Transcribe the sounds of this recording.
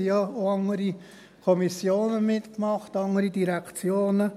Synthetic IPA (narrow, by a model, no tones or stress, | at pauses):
ijɑoɑŋəɾi | kʰɔmisjoːnəmɪtkmɑχtɑŋəɾidiɾɛkt͡sjoːnə